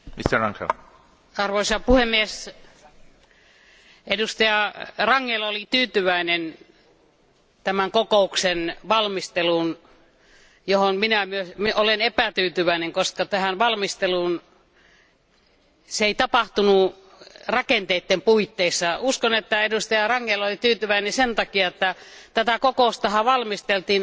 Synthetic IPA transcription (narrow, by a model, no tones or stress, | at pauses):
mist̪errɑ̰ŋksḛl | ɑrʋoisɑpuhemːies | edust̪ɑjɑrɑŋːelolit̪yːt̪yʋæinen | t̪æmæŋkokouksenʋɑlmist̪eluːn | johonminæmyøsmiolenepæt̪yːt̪yʋæineŋkoskɑt̪æhænʋɑlmist̪eluːn | seeit̪ɑpɑht̪unu | rɑkent̪eit̪ːempuit̪ːeisːɑuskonet̪ːæedust̪ɑjɑrɑŋːelolit̪yːt̪yʋæinesent̪ɑkiɑet̪ːæt̪æt̪ækokoˑust̪ɑhɑʋɑlmist̪elt̪iːn